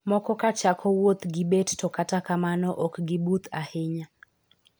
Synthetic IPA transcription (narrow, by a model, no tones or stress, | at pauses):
mɔkɔkat͡ʃakʰɔwot̪ɡɪbettɔkatakamanɔʔɔkɡɪbut̪ʰahɪɲa